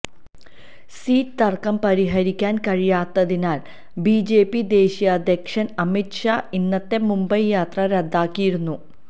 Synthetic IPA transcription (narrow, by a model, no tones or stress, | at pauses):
siːtt̪ɐrkɐmpɐɾiɦɐɾikʲːaːnkɐɻijaːt̪ːɐðinaːl | biːd͡ʑe̞ːpːid̪e̞ːɕijɐːd̪ʱjekʂɐnɐmitʂaːinːɐt̪ːe̞mumbɐjjaːt̪rɐɾed̪ʱːaːkːijiɾunːu